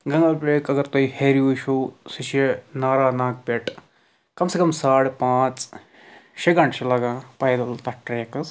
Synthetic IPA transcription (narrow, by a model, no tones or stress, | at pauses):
ɡɐ̃ŋɡɐlpɾeːkɐɡɐɾt̪oiheːɾiuʃoːsiʃenaːɾaːnãːk̚peʈ | kɐmsekɐmsaːɽpãːt͡s | ʃeɡɐɳʈʃilɐɡãːpɐjd̪ɐlt̪ɐʈɾeːkɐs